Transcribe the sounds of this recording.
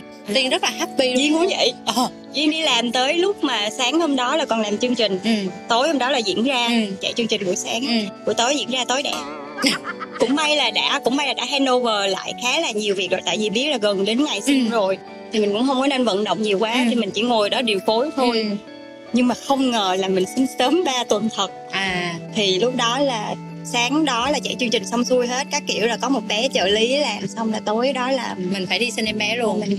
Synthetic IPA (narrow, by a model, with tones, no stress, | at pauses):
t̪i˧ənzə˦˥laː˨˩ha˦˥t̚ɓi˧ɗzḭ˧˥ŋkʊ̰˧˥və̰˧˨jʔəː˨˩ | zi˧əŋɗi˧laː˨˩mt̪əː˨˦jlʊ˦˥k͡p̚maː˨˩saː˨˦ŋho˧mɗɔ˨˦laː˨˩kɔ˨˩nlaː˨˩mt͡ɕɨ˧əŋt͡ɕï˨˩ŋ̟t̪o˨˦jho˧ŋ͡mɗɔ˨˦laː˨˩zḭ˧˥ənzaː˧t͡ɕa̰˧˨jt͡ɕɨ˧ŋt͡ɕï˨˩ŋ̟kṵ˧˩əsaː˨˦ŋku˧˥ət̪o˨˦jzḭ˧˥ənzaː˧t̪o˨˦jɗɛ̰˧˩ | kʊ̰˧˥ŋ͡mɓa˧jlaː˨˩ɗa̰ː˧˥kʊ̰˧˥ŋ͡mɓa˧jlaː˨˩ɗa̰ː˧˥ɦɛ˧no˧vəː˨˩la̰ː˧˨jxaː˨˦laː˨˩ɲi˨˩əwvi˨˩k̚ɗɔ˨˩jt̪a̰ː˧˨vi˨˩ɓi˦˥ət̚laː˨˩ɣə˨˩nɗe˨˦nŋa˨˩jsɛ˧zo˨˩j | t̪ʰi˨˩mï˨˩ŋ̟kʊ̰˧˥ŋ͡mhə˧wŋ͡mkɔ˨˦ne˧nvə̰˧˨nɗo̰˧˨wŋ͡mɲi˨˩əwkwaː˨˦t̪ʰi˨˩mï˨˩ŋ̟t͡ɕḭ˧˩ŋo˨˩jɗɔ˨˦ɗḭ˨˩ənfo˨˦jt̪ʰo˧j | ɲɨ˧ŋmaː˨˩xə˧wŋ͡mŋəː˨˩laː˨˩mï˨˩ŋ̟sï˧ŋ̟səː˨˦mɓaː˧t̪wə˨˩nt̪ʰə˨˩t̚ʔaː˨˩t̪ʰi˨˩lʊ˦˥k͡p̚ɗɔ˨˦laː˨˩ | saː˨˦ŋɗɔ˨˦laː˨˩t͡ɕɛ̰˧˩jt͡ɕɨ˧əŋt͡ɕï˨˩ŋ̟sɔ˧wŋ͡msu˧əjɦe˦˥t̚kaː˦˥kːḭ˧˨əwlaː˨˩kɔ˨˦mo˨˩t̚ɓɛ˨˦t͡ɕə̰ː˧˩li˨˦laː˨˩msa˧wŋ͡mlaː˨˩t̪o˨˦jɗɔ˨˦laː˨˩mi̟˨˩faː˧˩jɗi˧si˧nɛ˧mɓɛ˨˦lu˧ən˧˩